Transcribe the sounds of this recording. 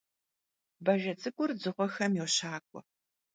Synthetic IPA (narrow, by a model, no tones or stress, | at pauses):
bɐʒɐt͡sʼɨkʷʼʊrd͡zɨʁʷɔxɐmjɛwɕaːkʷʼɔ̰